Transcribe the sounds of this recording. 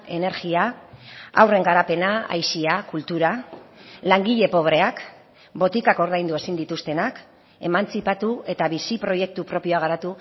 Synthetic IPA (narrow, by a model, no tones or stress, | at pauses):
e̞ne̞ɾɣia | a̰wre̞ŋɡaɾape̞naa̰jsiakult̪uɾa | laŋɡiʎe̞po̞βɾe̞ak | bo̞t̪ikako̞ɾðajnd̪ue̞sind̪it̪ust̪e̞nak | e̞mant͡sipat̪ue̞t̪aβisipɾo̞je̞k̚t̪upɾo̞pio̞aɣ̞aɾat̪u